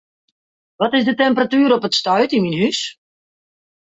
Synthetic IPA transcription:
ʋɔtɪzdətɛmpəratyːɾɔpətstœɥtinminhys

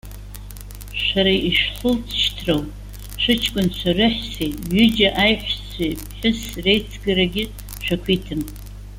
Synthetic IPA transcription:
ʃʷaɾaiʂħʊlt͡sʰʃtʰrowp | ʂʷɨt͡ʃʰkʷʼʊnt͡ɕʷʰarɨħsejɥʏd͡ʒaʔajħʷt͡sʷʰejpʰħʊsrejt͡sʰɡaɾaɡʲɪ | ʃʷᶣakʷʰitʰɨm

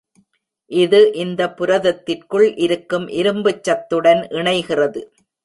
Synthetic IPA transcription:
ʔɪðɯʔɪnd̪ɐpːʊɾɐðɐt̪ːɪrkɯɭʔɪɾɯkːɯmʔɪɾɯmbɯt͡ʃːɐt̪ːɯɽɐnʔɪɳɐɪɣɪrɐðɯ

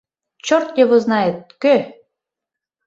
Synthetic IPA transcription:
t͡ɕort̪jɤβŏznɑet̪̚kø

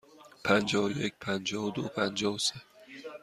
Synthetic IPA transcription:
pʰænd͡ʒɒːvjecʰʲpʰænd͡ʒɒːvd̪opʰænd͡ʒɒːvse

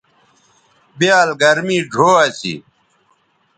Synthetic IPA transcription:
bjaːlɡɐɾmiːɖʱoːɐsḭ

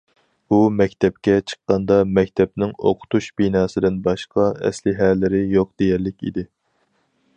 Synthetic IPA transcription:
umɛkʲt̪ʰɛp̚kʲɛt͡ʃʰə̥qːɑnd̪ɑmɛkʲt̪ʰɛp̚nɪŋo̰qʰʊ̥t̪ʰuʃbinɑːsɨd̪ɪnbɑʃqʰɑɛ̰slɪɦɛlːɪɾɪjoq̚d̪̥ejɛɾlɪkʲḭd̪ɪ

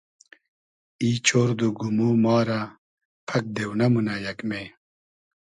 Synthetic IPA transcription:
iːt͡ɕʰoːɾd̪uɡumuːmɑːɾa | pʰɐk̚d̪ewnɐmunɐjɐkme

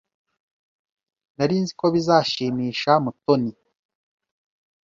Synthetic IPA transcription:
naɾinziko̞βizaːʃiːmiːʃamuto̞ni

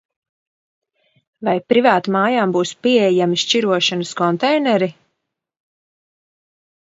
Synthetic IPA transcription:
vajpɾivaːt̪maːjaːmbuːspiɛɛjamiʃt͡ʃiɾuɔʃanəskɔnt̪ɛjnɛɾi

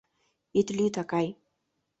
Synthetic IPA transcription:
ɪt̪lit̪akaj

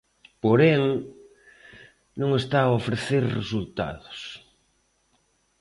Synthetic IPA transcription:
poɾeŋ | nõŋest̪aːofɾeθeɾrḛsult̪a̰ðʊs

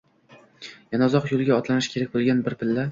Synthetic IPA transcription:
janazɒqjolˠɡʲaɒt̪lanɪʃkʲʰe̞ɾak̚ʲbolˠɡʲanbɪɾpʰɪlːa

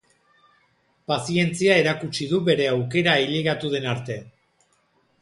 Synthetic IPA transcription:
pasie̞nt͡siae̞ɾakut͡ʃiðuβe̞ɾe̞awke̞ɾaiʎiɣat̪uð̞e̞naɾt̪e̞

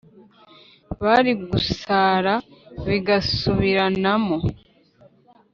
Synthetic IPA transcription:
βaɾiɡusaːɾaβiɡasuβiɾanamo

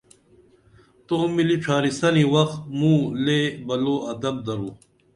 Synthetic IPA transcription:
t̪oːmiliʈ͡ʂʰaːɾisɐniwɐqt̪mũːleːbɐloːʔɐd̪ɐb̚d̪ɐɾoː

